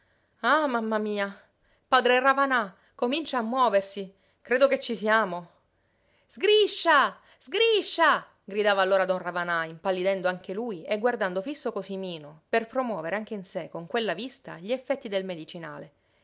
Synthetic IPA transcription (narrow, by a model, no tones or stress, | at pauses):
amamːamiːa | paːd̪ɾeravana | komint͡ʃaːmːwɔːversi | kɾeːd̪oket͡ʃːisiaːmo | z̥ɡɾiʃːa | zɡɾiʃːa | ɡɾid̪aːvaːlːoːɾad̪ɔnravanaimpalːid̪ɛnd̪oaŋk̟eluːjeɡward̪and̪ofisːokosimiːnoperpɾomwɔːveɾeaŋk̟einsekoŋkwelːavist̪a̰ʎiefːɛt̪ːid̪elmed̪it͡ʃina̰ːle